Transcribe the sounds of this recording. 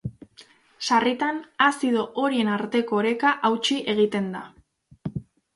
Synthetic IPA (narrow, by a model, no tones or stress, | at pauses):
sarit̪anasiðo̞ʔo̞ɾie̞naɾt̪e̞ko̞ɾe̞kaʔawt͡ʃiʔe̞ɣ̞it̪e̞nd̪a